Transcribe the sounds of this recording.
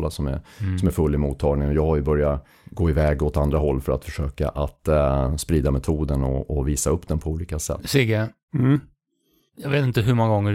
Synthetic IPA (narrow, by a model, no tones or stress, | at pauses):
lasɔmæ̰ɾsɔmæɾfɵlːɪmuːt̪ʰːɑːɡnɪŋɔjɑːɡhajɵbœɾja | ɡoːɪvɛːɡɔt̪and̪ɾaɦɔlːfœɾa̰t̪fœʂøːka̰ʔat̪spɾiːd̪amɛt̪ʰuːd̪ənɔɔviːsaɵpːd̪ɛnpʰɔuːliːkasɛ̰siɡɛ | jɑveːt̪ɪnt̪əɦɵmɔŋːaɡɔŋːə